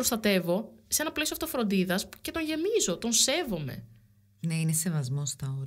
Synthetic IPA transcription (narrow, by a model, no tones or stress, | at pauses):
ɾost̪ɐt̪e̞vo̞seenɐpleioɐft̪o̞fɾo̞nd̪iðɐsce̞t̪o̞ɲʝe̞mizo̞t̪o̞nse̞vo̞me̞̰ | neinese̞vɐzmost̪ɐoɾ